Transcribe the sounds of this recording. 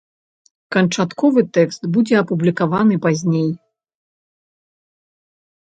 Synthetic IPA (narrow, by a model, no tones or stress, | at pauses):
kɐnt͡ʂat̪kɔvɨt̪ɛkst̪bud͡zʲɛɐpublʲikavanɨpazʲnʲej